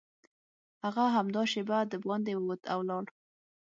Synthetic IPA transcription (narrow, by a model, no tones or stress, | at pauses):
haɣaɦamd̪ɑʃebad̪əbɑnd̪ewot̪ʰawlɑɽ